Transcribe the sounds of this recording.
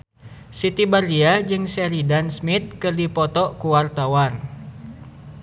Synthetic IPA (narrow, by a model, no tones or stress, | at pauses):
sit̪ibariad͡ʒɨŋsɛɾidansmit̪̚kɨrdipɔt̪ɔkuwart̪awar